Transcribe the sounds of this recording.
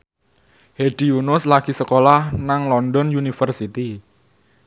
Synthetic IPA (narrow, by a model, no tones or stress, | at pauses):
heɖ̥iunʊslaɡ̥i̤səkolahnaŋlɔndɔnjunifərsit̪i